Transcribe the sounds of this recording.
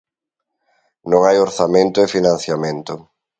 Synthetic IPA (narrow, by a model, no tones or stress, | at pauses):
nõŋajoɾθamẽnt̪ʊefinãn̟θjamẽnt̪ʊ